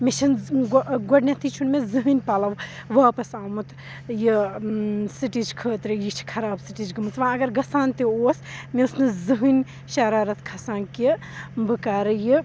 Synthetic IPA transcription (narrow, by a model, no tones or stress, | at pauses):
met͡ʃʰɐnɡɡoɖnʲɐt̪ʰit͡ʃʰunmezɨɦɨnʲpaːlɐʋ | ʋɐːpɐsaːmut̪ | ji | siʈid͡ʒkʰəːt̪ɾɨjit͡ʃʰi̥kʰɐɾaːbsiʈid͡ʒɡɨmɨt̪ʋãːɐɡɐɾɡɐsaːnt̪ioːsmesnɨzɨɦɨnʲ | ʃɐɾaːɾɐt̪ʰkʰɐsaːnki | bɨkaːɾɨji